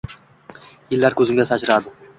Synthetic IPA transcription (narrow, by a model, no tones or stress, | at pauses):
jɪlːæɾkʲʰɵzɪmɡʲasad͡ʒɾɑd̪ɪ